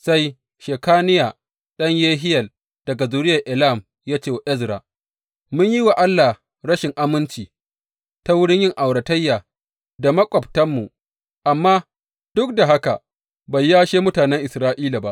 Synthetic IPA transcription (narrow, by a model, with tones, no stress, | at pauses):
sa˦j | ʃeː˨kaː˦nɪ˦jaː˨ | ɗɐ˦ɲjeː˦ɦɪ˦jɐ˨l | d̥ɐ˨ɡa˨zuː˨ɾɪ˦jɐ˨ʔɪ˨la˦˨m | jaː˦t͡ʃeː˦˨wa˨ʔɛ˦zɾaː˨ | mʊ˦ɲji˦wa˨ʔa˦lːa˨ | ɾɐ˦ʃɪ˨ŋʔa˦mɪ˦nt͡ʃiː˨ | ta˦wʊ˦ɽɪ˦ɲjɪ˦ŋʔa˨wɽɐ˨tɐ˦jːaː˨ | da˨mɐ˦kʷʼɔ˨p̚tɐ˦mːu˨ | ʔa˨mːaː˦ | d̥ʊ˦k̚da˨ɦa˦ka˨ | ba˨jːaː˦ʃeː˦mʊ˦taː˨nɛ˦ŋʔɪ˨sɾaː˦ʔiː˦la˨ba˦ʔ